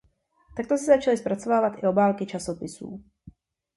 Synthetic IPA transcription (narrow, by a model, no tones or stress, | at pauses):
t̪ak̚t̪osɪzat͡ʃalispɾat͡sovaːvat̪ʔɪobaːlkɪt͡ʃasopɪsṵː